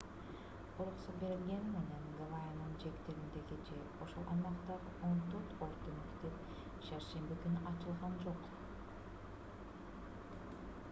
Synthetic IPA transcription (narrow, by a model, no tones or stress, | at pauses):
oɾqusube̞ɾilɡʲe̞nime̞ne̞nɡavajanɯnd͡ʒe̞kt̪eɾind̪eɡed͡ʒe̞ | oʃolˠʔɑ̰jmɑqt̪ɑɾɯo̞nt̪øɾt̪oɾt̪onikt̪e | ʃɑɾʃe̞mbikynyʔɑt͡ʃɯlˠʁɑnd͡ʒo̞q